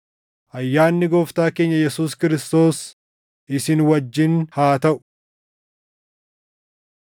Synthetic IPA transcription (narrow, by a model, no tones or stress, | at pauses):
ʔɐjːaːnːɪɡoːft̪aːke̞ːɲːɐjɛsuːskɪɾɪst̪o̞ːs | ʔɪsɪnwɐd͡ʒːɪnhaːt̪ɐʔʊ̥